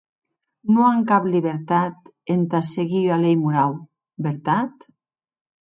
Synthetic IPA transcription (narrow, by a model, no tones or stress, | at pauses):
nuaŋkapliβeɾt̪at̪ | ent̪aseɣialejmuɾaw | beɾt̪at̪